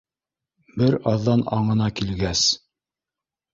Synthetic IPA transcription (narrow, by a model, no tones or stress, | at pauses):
bɘɾɑðːɑnɑ̰ɴɤ̆nɑkilɡæs